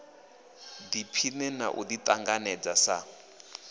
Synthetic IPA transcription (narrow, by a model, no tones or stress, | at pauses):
d̪ipʰinɛna̰ʔṵd̪it̪ʼaŋɡanɛd͡zasa